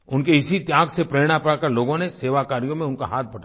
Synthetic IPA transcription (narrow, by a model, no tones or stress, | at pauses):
ʊnkeɪsit̪jaːɡsepɾeːɽ̃apɐɽakɐɾloːɡõneseːʋakaːɾijõmẽʊnkaɦaːt̪̚ʰbɐɽa